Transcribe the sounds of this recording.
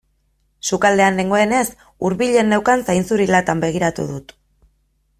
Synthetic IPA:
sukald̪e̞anleŋɡo̞e̞ne̞s | uɾβiʎe̞nːewkansajnsuɾilat̪ambe̞ɣ̞iɾat̪ṵðut̪

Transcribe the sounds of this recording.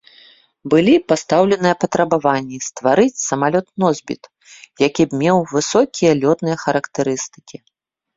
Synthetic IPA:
bɨlʲipast̪awlʲɛnɨjɐpɐt̪ɾɐbavanʲːist̪vaɾɨt͡sʲsɐmalʲɔt̪nɔzʲbʲḭt̪ | jakʲibmʲɛwvɨsɔkʲijɐlʲɔt̪nɨjɐxɐɾɐkt̪ɨɾɨst̪ɨ̥kʲi

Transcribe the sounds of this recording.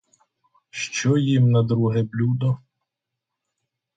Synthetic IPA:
ʃt͡ʃɔjimnɐd̪ɾuɦɛblʲud̪ɔ

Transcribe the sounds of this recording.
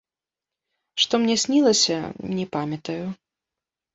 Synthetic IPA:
ʂt̪ɔmnʲɛsʲnʲilˠɐsʲɐ̰nʲɛpamʲɐt̪ɐju

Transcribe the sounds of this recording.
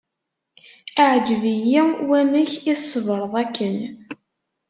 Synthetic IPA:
aʕd͡ʒəvijiwæmiçiθsːəvɾˤəðˤækːən

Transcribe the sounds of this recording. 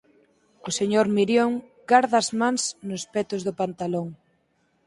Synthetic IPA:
oseɲoɾmiɾjoŋ | ɡaɾðazmansnospɛt̪ozðʊpant̪aloŋ

